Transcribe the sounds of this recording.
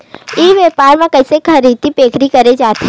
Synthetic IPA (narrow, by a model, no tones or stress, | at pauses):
iːʋɛːpaːɾmãkɐɪsekʰɐɾiːt̪ipeːkʰɾikɐɾed͡ʒaːt̪e